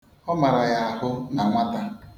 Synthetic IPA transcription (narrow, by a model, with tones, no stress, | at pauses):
ɔ˦ma˨ɾa˨ja˦a˦ɦʊ˦na˨ŋʷa˦ta˦